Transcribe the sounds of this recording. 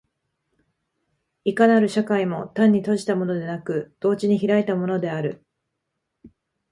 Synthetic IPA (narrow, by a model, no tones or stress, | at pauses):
ikanaɾɯ̟ɕakaimo̞t̪ãɲ̟ːit̪o̞ʑi̥t̪amo̞no̞d̪e̞nakɯ̟d̪̥o̞ːt͡ɕiɲ̟içiɾait̪amo̞no̞d̪e̞aɾɯ̟